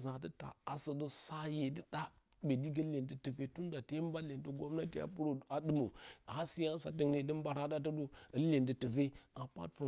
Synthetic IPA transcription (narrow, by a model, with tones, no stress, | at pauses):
za˨t̬ə˦ta̰˨a˨sə˨do˦sa˦je˨də˦ɗa˦ | be˨di˦ɡə˦le˨ntə˨tə˨ve˦tu˦n˦da˨te˦m˦ba˦le˨ntə˦ɡo˦mna˦te˨ja̰˨pu˦ɾo˨a˨dɨ˦mo˨a˦si˦ja˦sa̰˨də˨ŋne˨də˦m˦ba˨ɾa˦da˦t̬ə˦do˦ə˨˦le˨ndə˨tə˨ve˦a˨pa̰˦tfo˨